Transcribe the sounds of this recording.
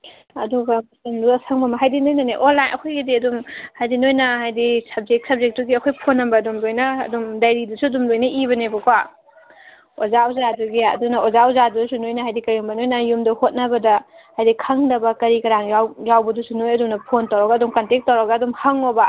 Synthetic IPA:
ɐduɡɐmɐsɐnduɐsaŋbɐmɐɦajdinojnɐneʔonlːajnʔɐ̰kʰojɡidiɐdumhajdinojnɐɦajdisɐb̚d͡ʒek̚sɐb̚zek̚tuɡiɐkʰojpʰonːɐmbɐːdumlojnɐ̰ːdumdajɾidusuɐdumlojnɐʔibɐnebɐkwa | ozawzaduɡiaɐ̰duŋnɐozawzaduusunojnɐɦajdikɐɾiumbɐnojnɐjumdɐhot̚nabɐdɐhajdikʰaŋdɐbɐkɐɾikɐɾaŋjawjawbɐdusunojɐduŋnɐpʰontawɾɐɡɐdumkɐntek̚tːawɾɐɡaːdumhɐŋobɐ

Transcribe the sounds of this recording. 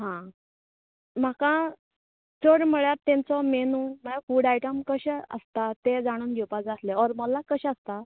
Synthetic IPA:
ɦã | m̤aka | t͡səɽməɭjat̪ːẽnt͡sɔmenuməlafuɽajʈəmkəɕɛə̰st̪at̪ed͡zaɽ̃uːnd̪iwpad͡zasleɔɾməlakəɕɛəst̪a

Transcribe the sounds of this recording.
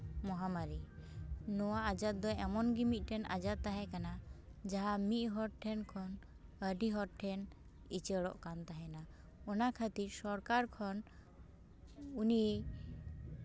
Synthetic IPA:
mɔɦamaɾi | nɔwaːd͡ʒat̪̚d̪ɔɛmɔnɡimit̪̚ˀʈɛnʔa̰d͡ʒat̪ːaɦɛkanad͡ʒaɦamit̪̚ˀɦɔɾʈʰɛnkʰɔn | əɖiɦɔɾʈʰɛn | it͡ʃɛɽɔ̰ʔkant̪aɦɛna | ɔnakʰat̪iɾsɔɾkaɾkʰɔn | uni

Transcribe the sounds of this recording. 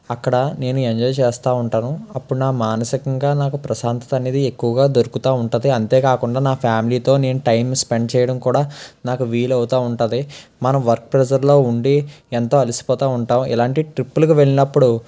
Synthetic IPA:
ɐkːɐɽɐne̞ːnueɲd͡ʒɔːjt͡ʃeːst̪aːuɳʈaːnuɐpːuɽunaːmaːnɐsikɐŋɡaːnaːkupɾɐsaːnt̪ɐt̪ɐneːd̪iekːuʋɐɡaːd̪oɾukut̪aːuɳʈɐnːd̪iɐnt̪e̞ːkaːkuɳɖaːnaːpʰjaːmiliːt̪o̞ːne̞ːnuʈɐjmspe̞ɳɖ̚t͡ʃɛːjɐɽɐmkuːɽaːnaːkuʋiːlɐwut̪aːuɳʈɐnd̪imɐnɐmʋɐɾk̚pɾɛd͡ʒɐɾlo̞ːuɳɖient̪o̞ːɐlisi̥pɔːt̪aːuɳʈaːmḭlaːɳʈiʈɾipːulɐkuʋe̞ɭinɐpːuɽu

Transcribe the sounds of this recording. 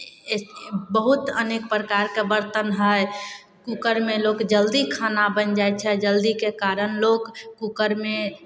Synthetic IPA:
bəɦut̪ə̰nek̚pɾəkaɾkebəɾt̪ənɦə | kukəɾmẽlokd͡ʒəld̪ikʰanabənd͡ʒaet͡ʃʰɛd͡ʒəld̪ikekaɾənlokkːukəɾmẽ

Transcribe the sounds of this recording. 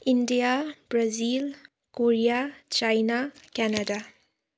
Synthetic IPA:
indijabɾazil | koɾijat͡ʃajnakɛnada

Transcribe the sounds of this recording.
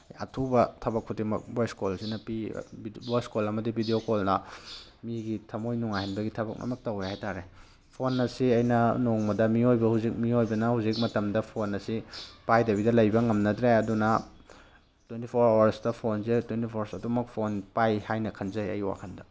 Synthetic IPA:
ɐ̰tʰubɐtʰɐbɐkʰutdimɐ̰k̚bojskolsinɐpibojskolɐmɐdibʱidiokolnɐmiɡitʰɐmojnuŋajhinbɐɡitʰɐbɐ̰k̚nɐ̰mɐk̚tɐwɾehajtaɾe | pʰonːɐsiɐjnɐnoŋmɐdɐmiojbɐhuzik̚miojbɐnɐhuzik̚mɐtɐmdɐpʰonːɐsipajdɐβidɐlɐjbɐŋɐmnɐdɾeɐdunɐ | twentipʰoɾowɐɾsdɐpʰonzetwentipʰoɾsɐdumɐk̚pʰonpajhajnɐkʰɐnzɐjɐ̰jwa̰kʰɐndɐ

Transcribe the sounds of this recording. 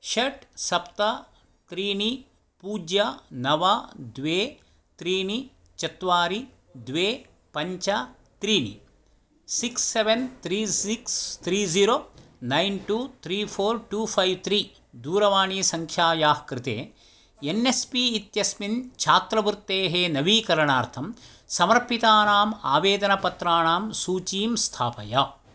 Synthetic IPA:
ʃɐʈsɐpt̪ɐ | t̪ɾiːni | puːd͡ʒjɐnɐʋad̪ʋeː | t̪ɾiːni | t͡ʃɐt̪ʋaːɾi | d̪ʋeː | pɐɲt͡ʃɐ | t̪ɾiːnḭ | siksːeʋent̪ʰɾiːsikst̪ʰɾiːziːɾoːnɐjnʈuːt̪ʰɾiːpʰoːɾʈuːpʰɐjʋt̪ʰɾiː | d̪uːɾɐʋaːɳiːsɐŋkʰjaːjaːhkɾɪt̪ḛː | enespiit̪jɐsmint͡ʃʰaːt̪ɾɐbuɾt̪ːeːɦeːnɐʋiːkɐɾɐɳaːɾt̪ʰɐm | sɐmɐɾpit̪aːnaːma̰ːʋeːd̪ɐnɐpɐt̪ɾaːɳaːmsuːt͡ʃiːmst̪ʰaːpɐ̰jaː

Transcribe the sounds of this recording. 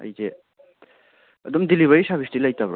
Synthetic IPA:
ɐ̰jze | ɐdumdiliβɐɾisabʰistilɐjtabɾa̰

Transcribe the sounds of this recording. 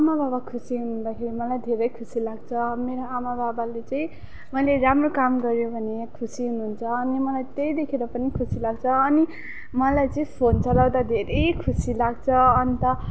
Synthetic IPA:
amababakʰusiɦunund̪akʰeɾimʌlajd̪ʱeɾʌjkʰusilaɡ̚t͡sʰʌmeɾoamababalet͡sʌĩ | mʌjleɾamrokamɡʌɾjobʱʌnekʰusiɦunuɦunt͡sʰʌːnimʌlajt̪ejd̪ekʰeɾʌpʌnikʰusilaɡ̚t͡sʰʌːni | mʌlajt͡sʌĩpʰont͡sʌlawd̪ad̪ʱeɾʌjkʰusilaɡt͡sʰʌːnit̪ʌ

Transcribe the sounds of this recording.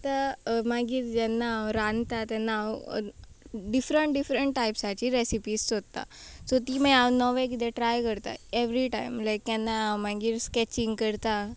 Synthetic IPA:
t̪amaɡiːɾd͡ʒɛnːaɾãnt̪at̪ɛnːa | ɖifɾəɳʈ̚ɖifɾəɳʈʈajpsat͡ɕiɾesipiːssod̪̚t̪a̰sot̪imajaʋnɔʋek̬id̪eʈɾajkəɾt̪a̰eʋɾiʈaimlajk̪ɛnːamaɡiːɾskɛt͡ɕĩŋɡkəɾt̪a

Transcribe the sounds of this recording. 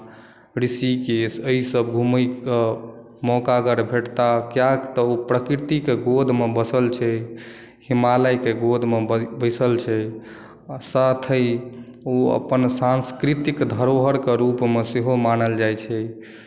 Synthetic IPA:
ɾisikesəisəbɡʱuməjkə | mɔkaɡəɾbʱeʈt̪akjakt̪əopɾəkiɾt̪ikeɡod̪ʱmebəsəlt͡ʃʰɛ | himaləjkeɡod̪ʱmebəjsəlt͡ʃʰɛ | sat̪ʰəj | oə̰pənsanskɾit̪ikd̪ʱəɾoɦəɾkeɾupmeseɦomanəld͡ʒajt͡ʃʰɛ

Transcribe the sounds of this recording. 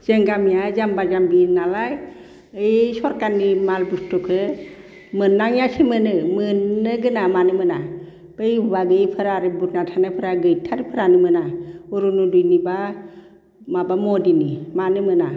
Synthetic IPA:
z̥eŋɡamijazambazambinalaj | ɯjsɔɾkanːimalbustɔkʰɯ | mɯnːaŋjasʰemɯnɯmɯnːɯɡɯnamanɯmɯna | b̥ejbubaɡɯjpʰɯɾaɾɯbut̚natʰanapʰɯɾaɡɯjtʰaɾipʰɯɾanɯmɯnauɾunudujniba | mabamɔdinimanɯmɯna

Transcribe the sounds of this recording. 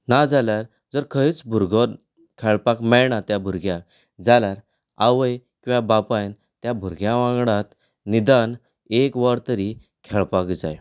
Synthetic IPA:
nad͡zaljaɾ | d͡zəɾkʰəit͡sbʱuɾɡə | kʰɛɭpakmɛɭɳat̪jabʱuɾɡja | d͡zaljaɾ | aʋəjkĩw̃ʋãbapajn | t̪jabʱuɾɡjaʋãŋɡɽãt̪ | nid̪an | ekʋaɾt̪əɾi | kʰɛɭpakd͡za̰j

